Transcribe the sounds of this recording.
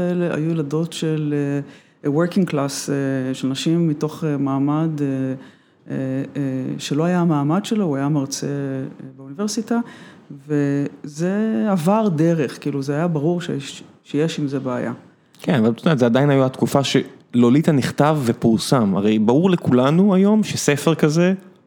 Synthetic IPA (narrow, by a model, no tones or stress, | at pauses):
eleʔa̰juelado̞tʃe̞le | weʁkiŋɡklaseʃelnaʃimːito̞χemaːmade | ʃe̞loajamaːmad̪ʃe̞louajamaʁt͡sebeunive̞ʁsita | vezeavaʁdeʁeχkiːluzeajabaʁuʁʃe | ʃejeʃimzebaːja̰ | kenavalt̪odetzead̪ainhajaat̪kufaʃe | lolit̪aniχt̪avːepuʁsama̰ʁejbauʁlekulanuajo̞mʃesefeʁkaze